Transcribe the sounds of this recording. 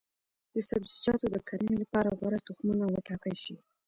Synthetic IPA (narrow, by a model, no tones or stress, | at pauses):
d̪əsabzid͡ʒɑt̪od̪əkʰaɾənilapɑɾaɣwaɾat̪uxmunawəʈɑkəlʃi